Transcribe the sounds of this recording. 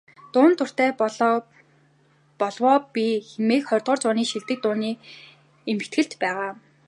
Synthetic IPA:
t̪ʊːnt̪ʰʊr̥t̪eː | pɔɮwɔːpiːxemeːkχɔrʲt̪ʁɞ̆ːrt͡sʊːniːʃiɮt̪ɘ̆k̚t̪ʊːniː | emɘ̆kt̪ɡɘ̆ɬt̪pæːʁaː

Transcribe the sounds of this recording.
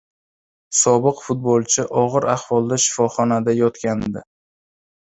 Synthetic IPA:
sɒbɨqfʊt̪̚bolˠt͡ʃʰɪʔɒʁɨɾahvɒlˠd̪aʃɪ̥fɒχɒnad̪ajɒt̪kʲand̪ɪ

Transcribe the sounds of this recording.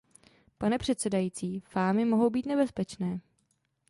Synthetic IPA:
panɛpr̝̥ɛt̪sɛdajiːt͡siːfaːmɪmoɦo̞wbiːt̪nɛbɛspɛt͡ʃnɛː

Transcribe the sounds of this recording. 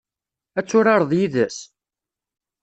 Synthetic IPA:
æt͡sːʊɾɑɾˤðˤjiðəs

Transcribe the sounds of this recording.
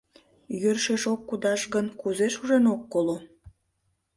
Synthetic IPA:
jørʃeʃokːud̪ɑʃɣənkuzeʃuʒenokːolo

